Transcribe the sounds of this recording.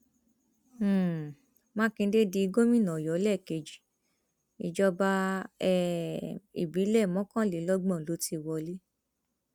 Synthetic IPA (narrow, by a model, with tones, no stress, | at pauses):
mã˦kĩ˧˦de˦di˧i˧ɡo˦mĩ˦˨nã˨jɔ˨˦lɛ˦˨ke˧˨d͡ʒi˨ | i˧d͡ʒɔ˧ba˧ɛ˦ | ḭ˨bi˨˦lɛ˦˨mɔ̃˨˦kã˦le˨˦lɔ˦ɡ͡bɔ̃˦˨lo˨˦ti˧wɔ˧le˦